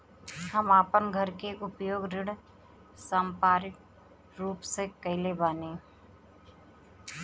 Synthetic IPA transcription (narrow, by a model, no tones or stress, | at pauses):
həmaːpənɡʱəɾkeʔʊpjoːɡɾɪɽ | sãːmpaːɾɪk | ɾuːpsekɐɪlebaːnẽː